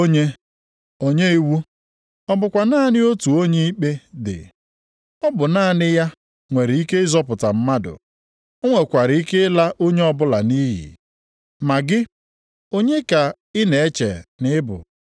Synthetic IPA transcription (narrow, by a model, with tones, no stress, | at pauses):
o˦ɲe˦ | o˦ɲe˦i˦wu˦ | ɔ˦bʊ˨kʷa˨naː˦˨nɪ˦o˦tu˨o˦ɲe˦i˦k͡pe˦dɪ̰˨ | ɔ˦bʊ˨naː˦˨nɪ˦ja˦ | ŋʷe˨ɾɪ˨˦i˦ke˦ɪ˦zɔ˦pʊ˨ta˨m̩˦ma˦dʊ̰˨ | o˦ŋʷe˨kʷa˨ɾɪ˨i˦ke˦la˦ʔo˦ɲe˦ɔ˦bʊ˦la˨ni˦ɦḭ˨ | ma˨ɡɪ˦ | o˦ɲe˦ka˨ | ɪ˦ne˨e˦t͡ʃḛ˨nɪ˦bʊ̰˨